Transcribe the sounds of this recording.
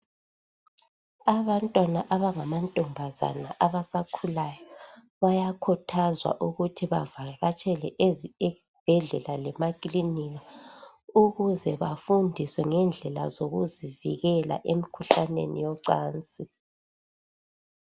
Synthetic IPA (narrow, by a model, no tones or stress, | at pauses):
aβantʼwanaʔaβaŋamantʼɔmbʱaza̰naʔaβasakʰulajɔ | βajakʰɔtʰazwa̰ʔuɣutʰiβa̰vaɣat͡ʃʼɛlɛʔez | b̥ʱɛɮɛlalɛmakʼliniɣa | uɣuzɛβafundʱiswɛŋɛnd͡ɮʱɛla̰zoɣuziviɣɛla̰ʔemikʰuɬanḛnḭjɔǀaːnt͡sʼi